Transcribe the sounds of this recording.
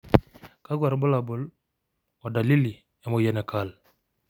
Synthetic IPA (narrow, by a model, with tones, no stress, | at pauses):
ka˦ɡwa˨ɾbʊ˦la˨bʊ˨l | ɔ˨da˨li˦li˨ | e˨mo˨je˨nɛ˨kʰa˦˨l